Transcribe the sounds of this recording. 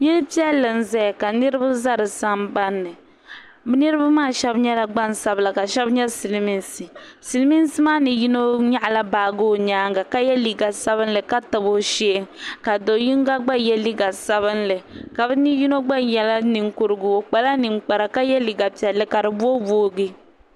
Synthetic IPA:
jɛ˦lpi˦ɛ˦lːɨ˨n̩˦zɛ˦a˨ka˨nɨ˦ɾɨ˦bɨ˦za˦ɾɨ˨sa˦mba˦nːɨ˨ | bɛ˦nɨ˦ɾɨ˦ba˦maː˦˨ʃɛ˦bɲɛ˦la˨ɡ͡ba˦n˨sa˦bla˨ka˨ʃɛ˦bɲɛ˦si˨lmi˦nsi˨si˨lmi˦n˦si˦maː˦nɨ˨ji˦no˦ɲa˦ʔla˦baː˨ɡo˦˨ɲaː˦ŋɡa˨ka˦jɛ˦li˨ɡa˨sa˦βɨ˦n˦lɨ˨ka˦ta˨bo˦ʃe˦ŋka˨do˨ji˦ŋ˦ɡa˦ɡ͡ba˦jɛ˦li˦ɡa˨sa˦βɨ˦nlɨ˨ka˨bɨ˦ni˦ji˦no˦ɡ͡ba˦ɲjɛ˨la˦ni˨ŋku˦ɾɨ˦ɡu˨o˨k͡pa˨la˦ni˨ŋ͡mk͡pa˨ɾa˨ka˦jɛ˦li˨ɡa˨pi˨ɛ˨lːɨ˦ka˨ɾɨ˨bu˦o˦boː˦ɡɨ˦

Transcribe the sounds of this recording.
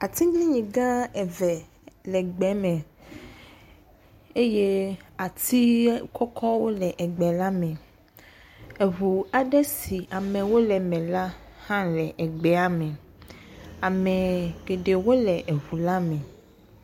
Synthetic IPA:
a˨t̪ĩ˦ɡli˦ɲĩ˨ɡã˦ɛ˨vɛ˨ | lɛ˨ɡ͡bɛ˨˦mɛ̃˨ | e˦je˦a˨t̪i˦kʰɔ˦kʰɔ˦wo˦lɛ˨ʔɛ˨ɡ͡bɛ˨la˦mɛ̃˨ | ɛ˨ɦu˨a˨ɖɛ˦si˨ʔa˨mɛ̃˨wo˦lɛ˨mɛ̃˨la˦ | hã˦lɛ˨ʔɛ˨ɡ͡bɛ˨a˦mɛ̃˨ | a˨mɛ̃˨ɡ̥e˨ɖe˨wo˦lɛ˨ʔe˨ɦu˨la˦mɛ̃˨

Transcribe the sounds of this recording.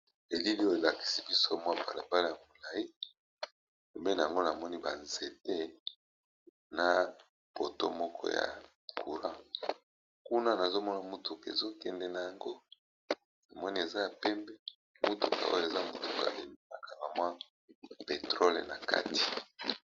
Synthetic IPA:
e˨li˦li˦o˦e˨la˨ki̥˨si˨bi˦so˦mwa˦ba˨la˨ba˦la˦˨ja˨mo˨la˨i˦˨ | pe˨mbe˦na˨a˨ŋɡo˦na˨mɔ˦ni˦ba˨nze˨te˦ | na˨ | po˨to̰˦mɔ˦kʰɔ̰˦ja̰˨ | kʰu˨ɾã˦ | ku˦na˦na˨zo˦mɔ˦na˨mu˦tu˨kḛ˨zo˦kɛ˨ndɛ˨na˨ja˨ŋɡo˦ | na˨mɔ˦ni˦e˨za˦ja˨pɛ˦mbɛ˦ | mu˦tu˨ka̰˨o˦jo˦e˨za˦mu˨tu˨ka̰˨le˨mi˦na˨ka˨la˨mwa˦ | pe˨tʁo˦lḛ˨na˨ka̰˦ti̥˨

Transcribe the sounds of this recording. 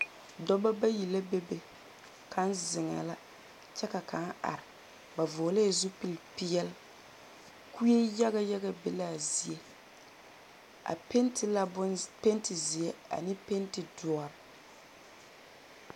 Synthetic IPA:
dɔ˦ba˦ba˦ji˨la˦be˦be˨ | kʰa˨˦nzɪ˨ŋa̰˨la˦ | t͡ʃɛ˦ka˨ka˨˦a̰˨ɾɪ˨ | ba˨voː˨le˦˨zu˦pi˦lpi˦jɛ˦l | ku˦je˦ja˦ɡa˦ja˦ɡa˦be˨la˦˨zi˨e˦ | a̰˨pe˦ntɪ˨la˦bʊ˦pe˦ntɪ˨zi˨ɛ˦a̰˨nɪ˦pe˦ntɪ˨du˨ɔ˨ɾɪ˨

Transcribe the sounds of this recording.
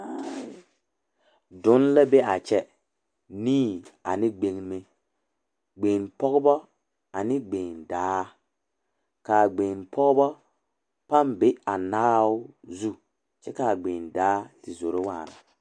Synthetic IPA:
dʊ˨˦nla˦be˦a˨t͡ʃɛ˦ | niː˦a˨nɪ˦ɡ͡be˨ŋme˦ | ɡ͡be˨npɔ˦ɣʊ˦bɔ˦ | a˨nɪ˦ɡ͡be˨ndaː˦ | kaː˨ɡ͡beː˨npʰɔ˦ɡʊ˦bɔ˦ | pa˦mbɪ˦a˨naː˦ʊ˦zu˦ | t͡ʃɛ˦ka˨ɡ͡be˨ndaː˦tɪ˨zo˨ɾɪ˦waː˦˨na̰˨

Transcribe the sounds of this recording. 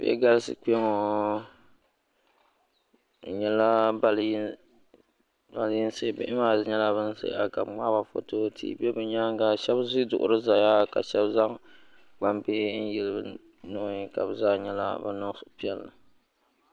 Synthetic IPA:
bḛ˦ɡa˦lsɨ̰˨k͡pe˦ŋo˨ | ɲɛ˦la˦ba˨lji˦ | ba˨lji˦n̩˦se˦˨bɨ̰˦ʔɪ˦maː˦˨ɲɛ˦la˦bɨ˦n˦sḛ˦a˨ka˨bŋ͡ma˦ba˨fo̰˦toː˦tʰḭ˦˨bɛ˦bɨ˨ɲa˦ŋ˦ɡa˨ʃɛ˦bzi˦dʊ˨ʔʊ̰˨ɾɨ˦za˨ja˦ka̰˨ʃɛ˦bza˦ŋ | ɡ͡ba˦mbe˦n̩˦jɛ˨lɨ˦˨bɨ̰˨ | nɔ˦˨ɲi˦ka̰˨bɨ˨zaː˦ɲɛ˦la̰˦ba̰˦nɔ˦sʊ̥˦˨˦pi˦ɛ˦lːɨ˨

